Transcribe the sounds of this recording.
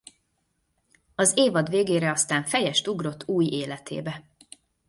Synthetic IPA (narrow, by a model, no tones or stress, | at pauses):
ɒzeːvɒd̪ʋeːɡeːɾɛɒst̪aːɱfɛjɛʃt̪uɡro̞t̪ːuːjeːlɛt̪ḛːbɛ